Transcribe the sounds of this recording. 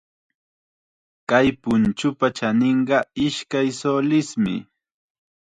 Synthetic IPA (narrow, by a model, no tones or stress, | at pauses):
kajpʊnt͡ʃʊpat͡ʃanɪɴɢɑɪʃkajsolɪsmɪ̰